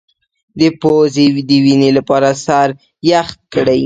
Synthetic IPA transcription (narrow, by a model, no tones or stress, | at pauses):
d̪əpozed̪əwinelapɑɾasaɾ | jaxt̪̚kəɽaj